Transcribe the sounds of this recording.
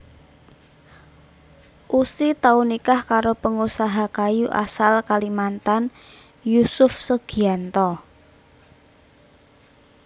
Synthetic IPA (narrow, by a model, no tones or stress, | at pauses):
ʔusit̪aunikahkaɾopəŋusaɦakajuʔa̰salkalimant̪an | jusʊfsəɡ̥iant̪ɔ